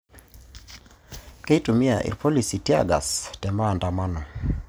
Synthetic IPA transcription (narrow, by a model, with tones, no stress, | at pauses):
ke˦itu˨mi˦aʔḭ˨rpɔ˦li˨si˨tja̰ɡa̰˨stɛ˨maː˦˨nda˨ma˦nɔ˨